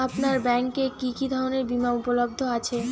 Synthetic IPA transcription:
apnaɾbɛŋkekikid̪ʱɔɾoneɾbimaupolob̚d̪ʱoat͡ɕʰe

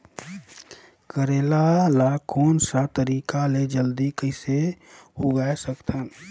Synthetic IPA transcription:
kəɾeːlalakoːnsat̪əɾiːkaled͡ʒəld̪ikəɪsehoɡaesəkt̪ʰən

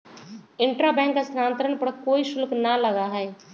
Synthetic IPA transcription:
ɪ̃ɳʈɾabɛ̃ːŋkːasɾaːnt̪ɾənpəɽkoːiʃʊlknalɐɡaɦɛː

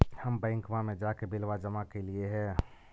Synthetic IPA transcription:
həmbɛ̃ːŋkmamẽd͡ʒakebɪlʋad͡ʒəmakelieɦɛ̃ː

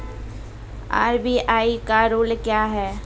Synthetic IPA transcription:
a̰ːɾbiːʔaːikaɾoːlkjaːɦɛː

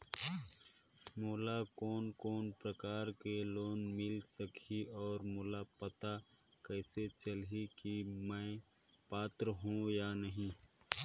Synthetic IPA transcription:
moːlakɔːnkɔːnpɾəkaːɾkeloːnmɪlsəkʰiɔːɾmoːlapət̪a | kɛːset͡ʃəlɦikimɛ̃ɪ | paːt̪ɾəɦũjanəɦĩ

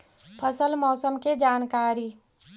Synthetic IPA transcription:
pʰəsəlmɔːsəmked͡ʒaːnkaːɾi

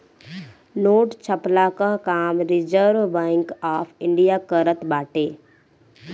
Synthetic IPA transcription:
noːʈt͡ʃʰəplakaɦkaːmɾɪd͡ʒəɾʋbɛ̃ːŋkaːpʰɪ̃ɳɖijakəɾət̪baːʈeː

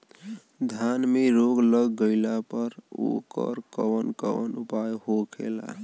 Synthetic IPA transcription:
d̪ʱjanmeɾoɡləɡːəɪlapəɾo̰kə̰ɾkəwənkə̰ʋənupajɦokʰḛla̰

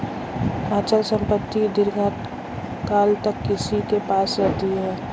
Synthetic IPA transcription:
aːt͡ʃəlsə̃mpət̪ːid̪ɪɾɡat̪ | kaːlt̪əkːɪsikepaːsɾɛɦt̪iɦɛː

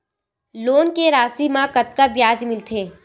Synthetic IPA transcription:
loːnkeɾaːsimãkɐt̪kabjaːd͡ʒmɪlt̪ʰeː

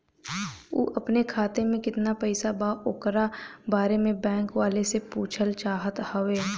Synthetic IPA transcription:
ṵːʔɐpnekʰaːt̪emẽkɪt̪napɛɪsabaːʔokɾabaːɾemẽbɛ̃ːŋkʋaːlesepuːt͡ʃʰəlt͡ʃaːɦət̪həʋeː

